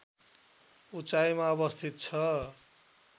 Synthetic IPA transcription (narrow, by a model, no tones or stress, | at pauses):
ut͡sajmaʌbʌst̪ʰit̪̚t͡sʰʌ